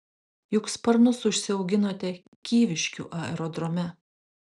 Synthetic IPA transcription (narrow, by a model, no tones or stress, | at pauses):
jʊkspɐɾnʊsʊʃʲsʲɪɒʊɡʲɪnoːt̪ʲɛ | kʲiːʋʲɪʃʲkʲṵːʔɐɛ̰ɾɔd̪ɾɔmʲɛ